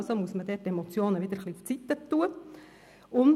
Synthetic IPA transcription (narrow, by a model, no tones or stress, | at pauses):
lsomuəsməd̥̪ɛtɛmot͡sjoːnəʋɪd̪əɾχliʊft͡sit̪ːət̪ːuːə | ʊn